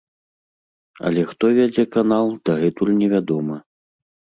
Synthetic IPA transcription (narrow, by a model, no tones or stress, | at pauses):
ɐ̰lʲɛxt̪ɔvʲad͡zʲɛkanalˠd̪ɐɣɛt̪ulʲnʲɛvʲad̪ɔmɨ